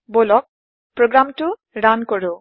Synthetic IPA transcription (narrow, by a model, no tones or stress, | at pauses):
bolɔk̚ | pɹoɡɹamtʊ | ɹankoɹʊ